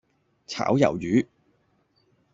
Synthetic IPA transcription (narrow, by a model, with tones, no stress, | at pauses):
t͡sʰa̰ː˨˥wjɐ̰˨˩wjyː˨˥